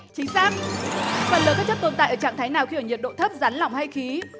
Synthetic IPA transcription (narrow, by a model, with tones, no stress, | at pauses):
t͡ɕï˨˦ŋ̟saː˦˥k̚fə˨˩nləː˨˩kaː˦˥t̚t͡ɕə˦˥t̚t̪o˧nt̪a̰ː˧˨jʔəː˧˩t͡ɕa̰˧˨t̪ʰa˨˦jnaː˨˩wxi˧˨ə˧˩ɲi˨˩t̚ɗo̰˧˨t̪ʰə˦˥p̚za˨˦nla̰˧˨wŋ͡mha˧jxi˨˦